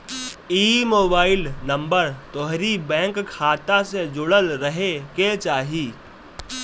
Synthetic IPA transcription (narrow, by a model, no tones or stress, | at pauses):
iːmoːbaːɪlnɐ̃mbəɾt̪ɔːɦɾibɛ̃ːŋkkʰːaːt̪ased͡ʒʊɽəlɾɐɦeket͡ʃaːɦiː